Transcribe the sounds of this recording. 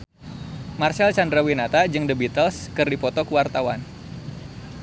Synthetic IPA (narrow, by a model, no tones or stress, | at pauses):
marsalt͡ʃandɾawinat̪ad͡ʒɨŋdəbit̪əlskɨrdipɔt̪ɔkuwart̪awan